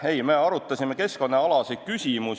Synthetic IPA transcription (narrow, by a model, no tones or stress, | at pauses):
e̞jme̞ːɑɾut̪ːˑɑsʲime̞ke̞sko̞nːeɑlɑset̪̚kysʲimus